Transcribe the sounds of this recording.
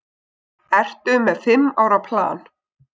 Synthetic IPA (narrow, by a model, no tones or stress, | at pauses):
ɛr̥t̪ʏmɛðfɪmːaːwɾapʰla̰ːn